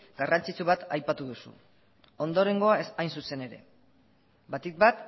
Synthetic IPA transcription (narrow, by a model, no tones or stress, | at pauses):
ɡarant͡sit͡suβ̞at̪ajpat̪uð̞usṵ | o̞nd̪o̞ɾe̞ŋɡo̞asajnsuse̞ne̞ɾe̞̰ | bat̪ik̚bat̪